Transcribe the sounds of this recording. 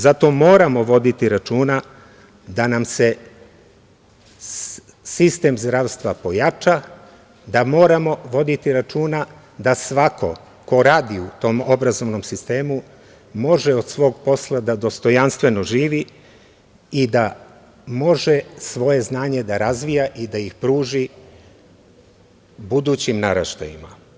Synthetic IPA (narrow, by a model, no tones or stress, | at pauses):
zat̪o̞mo̞ːɾamo̞ʋo̞d̪it̪iɾat͡ʃuːna | d̪anamse̞ | sist̪e̞ːmzd̪ɾaːʋst̪ʋapo̞jat͡ʃa | d̪amo̞ːɾamo̞ʋo̞d̪it̪iɾat͡ʃuːna | d̪asʋakʰo̞̰ | ko̞ɾaːd̪iut̪o̞ːmo̞bɾazo̞ʋno̞msist̪e̞ːmu | mo̞ʒeo̞d̪sʋo̞ːɡpo̞slˠad̪ad̪o̞st̪o̞janst̪ʋe̞no̞ʒiːʋi | id̪a | mo̞ʒesʋo̞je̞znaːɲe̞d̪aɾazʋijaʔid̪aixpɾuːʒi | bud̪uːt͡ɕimnaɾa̰ʃt̪a̰ḭma